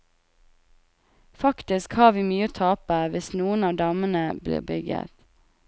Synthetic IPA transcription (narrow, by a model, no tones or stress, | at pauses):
fɑkt̪ɪskhɑːʁʋiːmyːət̪ʰɑːpəʋɪsnuːənɑːd̪ɑːmənəblḛːbʏɡə̰t̪